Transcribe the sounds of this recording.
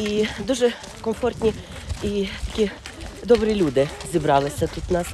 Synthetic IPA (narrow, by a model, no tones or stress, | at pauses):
id̪uʐɛ | kɔmfɔrt̪ʲnʲiit̪akʲid̪ɔbɾɪlʲud̪ɪzʲibɾalˠɪsʲat̪ut̪nas